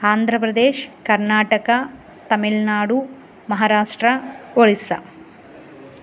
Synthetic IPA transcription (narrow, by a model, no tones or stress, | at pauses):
aːnd̪ʱɾɐpɾɐd̪eːʃkɐɾnaːʈɐkɐ | t̪ɐmilnaːɽu | mɐɦaːɾaːʂʈɾɐoɭisɐ̰